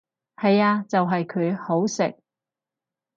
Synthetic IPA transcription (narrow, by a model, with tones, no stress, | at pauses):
hɐ˨jaː˧t͡sɐ˨wɦɐ˨jkʰɵ˨˧ɥho˨˥wsɪ˨k̚